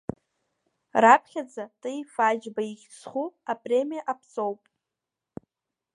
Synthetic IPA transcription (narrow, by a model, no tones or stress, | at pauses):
rapʰχʲad͡zatʼɨjfad͡ʒbaiχʲsχuapʼre̞mijaʔapʰt͡sʼo̞wpʼ